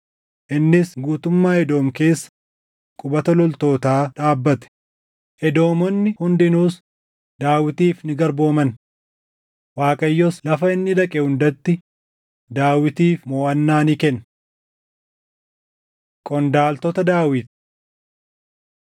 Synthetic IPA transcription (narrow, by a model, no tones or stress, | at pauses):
ʔɪnːɪsɡuːt̪ʊmːaːɛd̪o̞ːmke̞ːsːɐ̥ | kʼʊbɐt̪ɐlɔlt̪o̞ːt̪aːᶑaːbːɐt̪ɛ̥ | ʔɛd̪o̞ːmɔnːɪhʊnd̪ɪnuːs | d̪aːwɪt̪iːfnɪɡɐɾbo̞ːmɐn | waːkʼɐjːɔslɐfɐɪnːɪᶑ̪ɐkʼɛhʊnd̪ɐt̪ːɪ | d̪aːwɪt̪iːfmoːʔɐnːaːnikɛnː | kʼɔnd̪aːlt̪ɔt̪ɐd̪aːwɪt̪̚